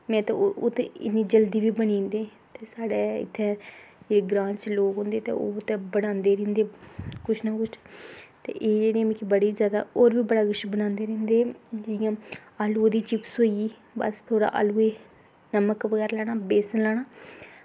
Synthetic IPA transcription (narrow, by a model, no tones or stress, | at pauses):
mɛ̃ːt̪ã̰ːt̪eɪ̰nĩːd͡ʒəld̪iːʋiːbəɽĩːnd̪eː | t̪eːsaːɽeːɪ̰t̪ʰːɛ̃ːd͡ʒeːeːɡɾãːt͡ʃloːkɦõːnd̪eːt̪ḛːo̰ːt̪ẽːbəɽãːnd̪eːɾẽːnd̪eːkʊt͡ʃʰnaːkʊt͡ʃʰt̪ḛːʔeːd͡ʒeːɽiãːmɪkːibəɽiːzjaːd̪a̰ːoːɾʋiːbəɽaːkʊʃbəñãːnd̪eːɾẽːnd̪eːd͡ʒeːɽijãːaːlud̪iːt͡ʃɪpsoːiiː | bə̰st̪ʰoːɽa̰ːʔa̰ːluːeː | nəməkʋəɡɛːɾlaːɽ̃aːbeːsənlaːɽaː